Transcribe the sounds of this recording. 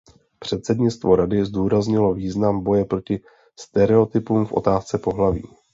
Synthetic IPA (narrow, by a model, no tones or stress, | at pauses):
pr̝̥ɛt̪sɛdɲɪt͡st̪vo̞ɾadɪzduːɾazɲɪlo̞viːznambo̞jɛpɾo̞cɪ | st̪ɛɾɛo̞t̪ɪpuːmfʔo̰t̪aːst͡sɛpo̞ɦlavḭː